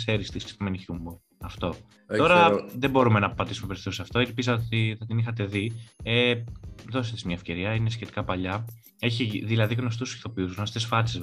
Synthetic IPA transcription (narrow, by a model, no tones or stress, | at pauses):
seɾist̪ist̪omeniçumbo | ɐft̪o̞ | o̞ɾɐðebo̞ɾume̞nɐpɐt̪isumepeɾiθosɐft̪o̞elpizɐot̪inɐt̪inixɐt̪̬e̞ðieðo̞set̪izmɲɐefce̞ɾiɐinesçe̞t̪i̥kɐpɐʎɐ | e̞çiðilɐðiɣno̞st̪usi̥θo̞piuzɣno̞st̪esfɐt͡sez